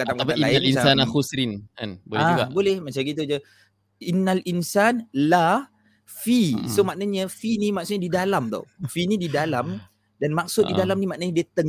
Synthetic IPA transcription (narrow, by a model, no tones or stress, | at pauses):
at̪aŋkapiailaialinasanakusɾinka̰nbolaɡabolɛhmat͡ʃamkit̪̬ud͡ʒə | inːalʔinsanla | fisomaʔnəɲəfinimaksʊtɲədidalamt̪ɔ̰finididalam | danmaksʊt̪̚didalamnimaʔnəɲədiət̪əŋ